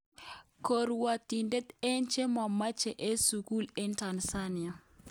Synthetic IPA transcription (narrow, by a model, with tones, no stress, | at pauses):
ko˨ɾwa˨t̪i˨nde˦t̪ɛ˦nt͡ʃe˦ma˨ma˦t͡ʃɛ˨ʔe˦su˨ku˦le˦nta˨nsa˦nɪ˨a˨